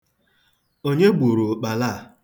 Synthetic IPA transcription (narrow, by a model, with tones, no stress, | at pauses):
o˦ɲe˦ɡ͡bʷu˨ɾu˨k͡pa˨la˦˨